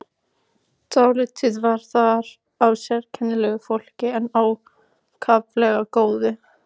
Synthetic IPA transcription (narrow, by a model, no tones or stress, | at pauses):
t̪aːwlɪt̪ʰiðvaɾ̥θaɾ | awsɛɾcʰɛnːɪlɛɣʏfowl̥cɪɛnːaw | kʰavlɛɣakoːwðɪ